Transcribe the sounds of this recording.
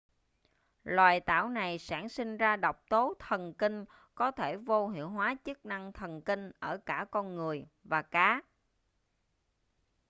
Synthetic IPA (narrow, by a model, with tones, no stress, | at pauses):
lwaː˨˩jt̪a̰ː˧˩wna˨˩jsaː˧˩nŋsï˧ŋ̟zaː˧ɗɔ˨˩wk͡p̚t̪o˨˦t̪ʰə˨˩nki˧ŋ̟ | kɔ˨˦t̪ʰe˧˩vo˧ɦḭ˧˨əwɦwaː˨˦t͡ɕɨ˦˥k̚na˧ŋt̪ʰə˨˩nki˧ŋ̟ʔəː˧˩kaː˧˩kɔ˧nŋɨ˨˩əjvaː˨˩kaː˨˦